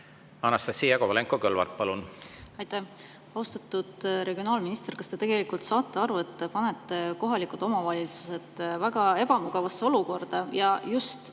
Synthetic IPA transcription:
ɑnːɑst̪ɑsijɑkovɑleŋkˑokølvɑ̰rt̪̚pɑlunɑjt̪ːæh | ɑwst̪ɑt̪ːˑud̪̥ɾe̞ɡio̞nɑːlminist̪e̞rkɑst̪e̞t̪e̞ɡ̥e̞likult̪sɑːt̪ˑːeɑɾue̞t̪ːpɑne̞t̪ːe̞ko̞ɦɑlikˑult̪ˑo̞mɑvɑlʲisu̥se̞t̪ːˑvæɡ̥ɑe̞b̥ɑmuɡ̥ɑvɑsːe̞o̞luko̞rd̪̥ɑjɑjust̪

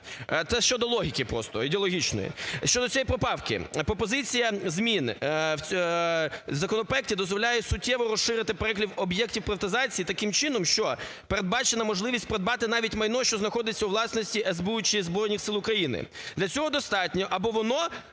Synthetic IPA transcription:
t̪sɛʃt͡ʃɔd̪ɔlˠɔɦʲikɪpɾɔ̰st̪ɔid̪eɔlˠɔɦʲit͡ʃnɔ̰jḭʃt͡ʃɔd̪ɔt͡sʲiɛjipɾɔpɑwkɪ̰pɾɔpɔzɪt͡sʲijɐzmʲinʲ | zɐkɔnɔpɾɔɛktʲid̪ɔzʋɔlʲajɛsʊtʲːɛʋɔɾɔsʃɪɾɪt̪ɪpeɾɛklʲiwɔbjɛktʲiwpɾɪʋɐt̪ɪzɑt͡sʲijit̪ɐkɪmt͡ʃɪnɔmʃt͡ʃɔ | peɾed̪̚bɑt͡ʃenɐmɔʒlˠɪʋʲisʲt̚ʲpeɾed̪bɑt̪ɪnɑʋʲitʲmɐjnɔʃt͡ʃɔznɐxɔd̪ɪt͡sʲːɐuʋlˠɑsnɔsʲtʲiʔɛzbut͡ʃɪzbɾɔjnʲixsɪlˠʊkɾɐjinɪ̰d̪̥lʲɐt͡sʲɔɦɔd̪ɔst̪ɑtʲnʲɔʔɐbɔʋɔnɔ

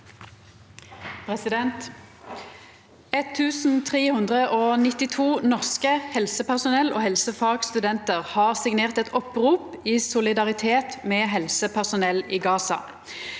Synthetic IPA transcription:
pʰʁɛsɪd̪ɛnt̪ | ɛt̪ʰːʉːsn̩t̪ʰʁeːhʉnd̪ʁəʔoːnɪt̪ɪt̪ʰuːnɔʁskəhɛlsəpæʁsʊnɛlʔo̰ːhɛlsəfɑɡst̪ʉd̪ɛnt̪əʁhɑːʁsɪɡneːʁt̪ɛt̪ɔpʁuːp | iːsʊlɪd̪ɑʁɪt̪ʰeːt̪mɛːɦɛlsəpʰæʁsʊnɛliːɡɑːsɑ̰

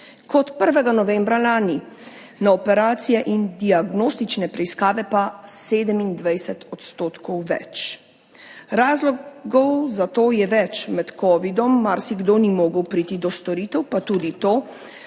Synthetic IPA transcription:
kɔt̪pəɾʋɛɡanɔʋɛːmbɾalaːni | naɔpɛɾaːt̪sijɛʔind̪iaɡnoːst̪it͡ʃnɛpɾɛiskaːʋɛpaseːd̪əmind̪ʋajsɛt̪ɔt̪st̪oːt̪kʰɔwʋɛ̰t͡ʃ | ɾaːzlɔɡɔwzat̪oːjɛʋɛt͡ʃmɛt̪kɔːʋid̪ɔmːaɾsiɡd̪onimɔːɡəwpɾiːt̪id̪ɔst̪ɔɾiːt̪ɛwpat̪uːd̪it̪oː

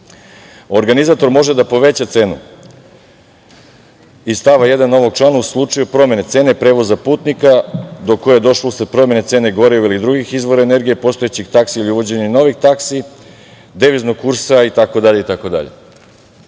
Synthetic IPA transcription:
o̞ɾɡanizaːt̪o̞ɾmo̞ʒed̪apo̞ʋe̞t͡ɕat̪se̞ːnu | ist̪aʋaje̞d̪anːo̞ʋo̞ɡ̚t͡ʃlaːnauslˠut͡ʂajupɾo̞mʲe̞ne̞t̪se̞ːnepɾe̞ːʋo̞zapuːt̪nikad̪o̞kːo̞jejed̪o̞ʃlousad̪̚pɾo̞mje̞net̪se̞ːne̞ɡo̞ɾeoilid̪ɾuɡixizʋo̞ɾaene̞ɾɡijepo̞st̪o̞jet͡ɕixt̪aksiiliuʋo̞d͡ʑe̞ɲeno̞ʋixt̪aksi | d̪eʋiznoɡ̚kuɾsait̪ako̞d̪aʎeit̪ako̞d̪a̰ʎḛ

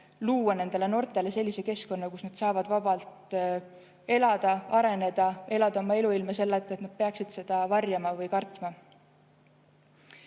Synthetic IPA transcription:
luːwɑne̞nd̪̥e̞le̞no̞rt̪ˑe̞le̞se̞lʲːise̞ke̞sko̞nːɑkusnɑd̪̥sɑːvɑd̪̥vɑbɑlt̪ | e̞lɑd̪̥ɑɑɾe̞ne̞d̪̥ɑe̞lɑd̪̥ɑomɑe̞luilmɑse̞lːet̪ːˑet̪nɑd̪̥̚pe̞ɑksid̪̥se̞d̪̥ɑvɑrjɑmɑvɤjkɑrt̪mɑ

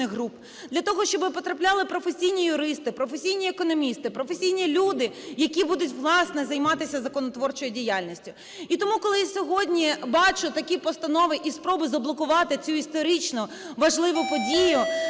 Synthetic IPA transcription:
ɪxɦɾup | d̪̥lʲɐt̪ɔɦɔʃt͡ʃɔbɪpɔt̪ɾɐplʲɑlˠɪpɾɔfesʲijnʲijʊɾɪst̪ɪpɾɔfesʲijnʲiekɔnɔmʲist̪ɪpɾɔfesʲijnʲilʲud̪ɪjɐkʲibud̪ʊtʲʋlˠɑsnɛzɐjmɑt̪ɪsʲɐzɐkɔnɔt̪ʋɔrt͡ʃɔjʊdʲijalʲnʲisʲtʲʊ | it̪ɔmukɔlˠɪjsʲɔɦɔdʲnʲibɑt͡ʃʊt̪ɐkʲipɔst̪ɐnɔʋɪʔispɾɔbɪzɐblˠɔkʊʋɑt̪ɪt͡sʲuist̪ɔɾit͡ʃnʊ | ʋɐʒlˠɪʋʊpɔdʲijʊ

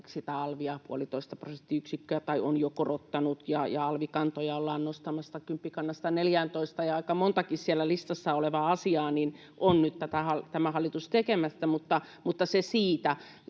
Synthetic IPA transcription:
sit̪æɑlʋiɑpuolit̪oist̪ɑprosent̪ːiyksikːøæt̪ɑionjokorot̪ːɑnut̪jɑjɑɑlʋikɑnt̪ojɑolːɑːnnost̪ɑmɑst̪ːɑkympːikɑnːɑst̪ɑneljænt̪oist̪ɑjɑɑikɑmont̪ɑkissiælːˑælist̪ɑsːɑoleʋɑɑsiɑːnin | ʔonnyt̪t̪æt̪æhɑlt̪æmæhɑlːˑit̪ust̪ekemæst̪æmut̪ːɑ | mut̪ːɑsesiːt̪æ

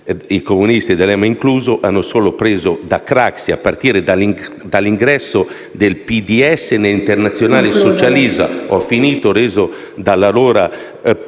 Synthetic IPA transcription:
ikomunist̪id̪ɛlɛmaiŋkluːzoʔanːosoːlopɾeːzod̪akɾaksia̰pːart̪iːɾed̪ali | d̪aliŋɡɾɛsːo | d̪elpid̪iɛsːeneint̪ɛrnat̪sːjonaːlesot͡ʃaliːza̰ɔfiniːt̪oɾeːzo | d̪alːaloːɾa

